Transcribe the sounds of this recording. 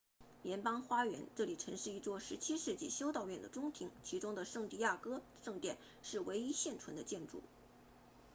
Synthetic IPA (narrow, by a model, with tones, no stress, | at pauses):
ljɛ˧˥npɑ˥ŋxwa˥ɥɛ̰˧˥nʈ͡ʂɤ˥˩li˨˩ʈ͡ʂʰɤ˧˥ŋʂɻ̩˥˧i˥˧t͡swɔ˥˩ʂɻ̩˧˥t͡ɕʰi˥ʂɻ̩˥˧t͡ɕi˥˩ɕjo˥ʊt̪ɑ˥˧ʊɥɛ˥˩nd̪ə˩ʈ͡ʂʊ˥ŋt̪ʰi˧˥ŋt͡ɕʰi˧˥ʈ͡ʂʊ˥ŋd̪ə˨ʂɤ˥˧ŋt̪i˥˧ja˥˩kɤ˥ʂɤ˥˧ŋt̪jɛ˥˩n | ʂɻ̩˥˩we˧˥ɪi˥ɕjɛ˥˩nʈ͡ʂʰwə˧˥nd̪ə˧t͡ɕjɛ˥˧nʈ͡ʂṵ˥˩